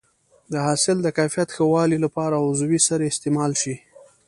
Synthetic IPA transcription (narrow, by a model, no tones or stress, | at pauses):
d̪əhɑsɪld̪əkajfijat̪xəwɑlilapɑɾaʊzwisəɾeɪst̪emɑlʃi